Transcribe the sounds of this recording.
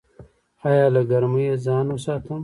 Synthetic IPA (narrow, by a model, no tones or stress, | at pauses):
ɑːjɑːlaɡɐɾmujezɑːnwəsɑːt̪ʰəm